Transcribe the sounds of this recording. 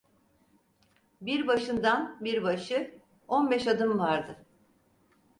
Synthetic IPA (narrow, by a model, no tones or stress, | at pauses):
biɾbaʃɯnd̪anbiɾbaʃɯ | onbɛʃad̪ɯmvaɾd̪ɯ